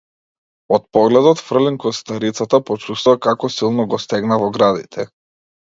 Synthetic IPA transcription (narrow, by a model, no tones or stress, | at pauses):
ɔt̪̚pɔɡlɛd̪ɔt̪fr̩lɛŋkɔst̪aɾit̪sat̪apɔt͡ʃust̪uvakakɔsilˠnɔɡɔst̪ɛɡnavɔɡɾad̪it̪ʰɛ